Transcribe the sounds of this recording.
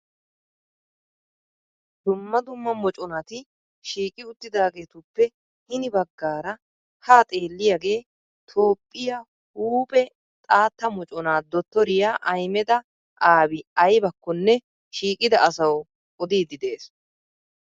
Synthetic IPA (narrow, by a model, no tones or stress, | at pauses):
d̪ʊmːɐd̪ʊmːɐmɔt͡ʃʼɔnat̪ɪ | ʃiːkʼɪʊt̪ːɪd̪aːɡe̞ːt̪ʊpːɛ | hɪnɪbɐɡːaːɾɐ | haːt̪ʼe̞ːlːɪjaɡe̞ː | t̪ʰo̞ːpʼːɪja | huːpʼɛ | t̪ʼaːt̪ːɐmɔt͡ʃʼɔnaːd̪ɔt̪ːɔɾɪjaːʔɐjmɛd̪ɐ | ʔaːbɪɐjbɐkːɔnːɛ | ʃiːkʼɪd̪ɐʔɐsɐwʼ | ɔd̪iːd̪ɪd̪e̞ːs